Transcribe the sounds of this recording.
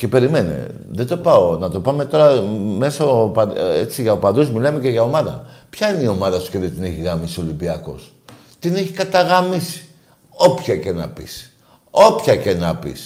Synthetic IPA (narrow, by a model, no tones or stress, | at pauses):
ce̞pe̞ɾime̞nḛ | ðed̪o̞pɐo̞nɐt̪o̞pɐme̞t̪o̞ɾɐme̞sɐpɐet͡siʝɐopɐnd̪uzmilɐme̞ce̞ʝɐo̞mɐðɐ̰pçɐineio̞mɐðɐsu̥ceðet̪ine̞çiɣɐmisio̞limbiɐko̞̰s | t̪ine̞çikɐt̪ɐɣɐmisi̥ | o̞pçɐcenɐ̰pḭs | o̞pçɐcenɐpḭs